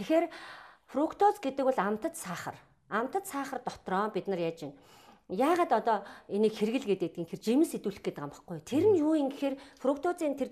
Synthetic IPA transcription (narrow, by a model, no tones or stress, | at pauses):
t̪ʰexeːrfrʊkʰt̪ʰot͡sɡet̪ɘ̆kwʊ̆ɮam̥t̪ə̆t̪saːχə̰̆r | am̥t̪ə̆t̪saːχə̆rt̪ɔt̪rɔːpʲit̪nə̆rjaːt͡ɕɪn | jaːʁaːt̪ɔt̪ɔːeniːkxerɣɘ̆ɮɡet̪̚ɡet̪ɘ̆iːŋxert͡ɕimɘ̆nset̪uːɮɘ̆xɡet̪ɘ̆kamə̆χɡujt̪ʰeɾɘ̆njuːiŋɡɘ̆xeːrfrʊk̚ʰt̪ʰʊt͡siːnt̪ʰer